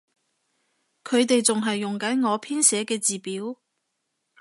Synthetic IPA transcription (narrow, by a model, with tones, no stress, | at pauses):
kʰɵ˨˧ɥt̪e˨jt͡sʊ˨ŋɦɐ˨jːʊ˨ŋkɐ˨˥nŋɔː˨˧pʰiː˥nsɛː˨˧kɛː˧t͡siː˨piː˨˥w